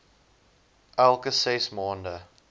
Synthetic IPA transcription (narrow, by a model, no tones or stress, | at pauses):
ʔælˠkəsɛsmɑːndə